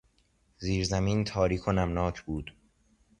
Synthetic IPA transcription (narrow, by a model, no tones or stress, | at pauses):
ziːɾzæmiːnt̪ʰɒːɾiːkʰonæmnɒːcʰbuːd̪̥